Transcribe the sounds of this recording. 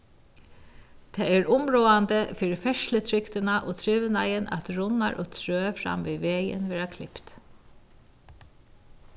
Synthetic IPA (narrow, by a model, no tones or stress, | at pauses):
t̪ʰɛːɛɹʊmɹoːant̪əfiːɾɪfɛʃlət̪ʰɹɪkt̪ɪnaʔɔt̪ʰɹɪːʋənajənæ̰t̪ɹʊna̰ɹʔɔt̪ʰɹøːfɾa̰mviːʋeːjɪ̰nʋɛːɾakʰlɪ̰pt̪